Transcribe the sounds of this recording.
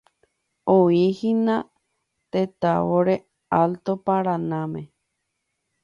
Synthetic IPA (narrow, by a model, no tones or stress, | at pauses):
oihinã | t̪et̪aβoɾe | alt̪opaɾanãmẽ